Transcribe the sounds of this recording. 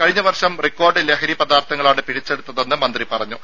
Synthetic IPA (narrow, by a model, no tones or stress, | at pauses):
kɐɻiɲːɐʋɐrʂɐmrikːo̞ːrɖɨleɦɐɾipɐd̪aːrt̪ʰɐŋːɐɭaːɽɨpiɽit͡ɕːe̞ɽut̪ːɐðenːɨmɐnd̪ripɐrɐɲːu